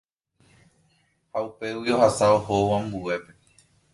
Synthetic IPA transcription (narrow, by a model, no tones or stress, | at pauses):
haupe̞wio̞hasaohowãmbue̞pe̞